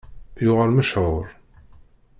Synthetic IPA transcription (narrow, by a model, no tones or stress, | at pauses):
jʊʁəɾməʃʕʊɾ